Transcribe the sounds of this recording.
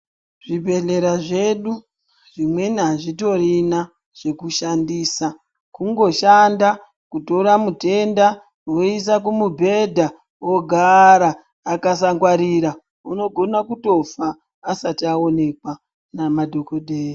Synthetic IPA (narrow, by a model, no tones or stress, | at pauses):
ʐ̥ibʱe̞ɮeɾaʐe̞ɗu | ʐ̥imwe̞niɦaʐito̞rina | ʐ̥e̞kuʃandiːsa | kuŋɡo̞ʃanda | kuto̞ɾamute̞nda | wois̬ak̬umubʱe̞dʱa | oɡʱaɾaː | kasaŋɡwaɾiɾa | uno̞ɡʱo̞nakuto̞faː | satiao̞ne̞kwa | namadʱokodʱeːji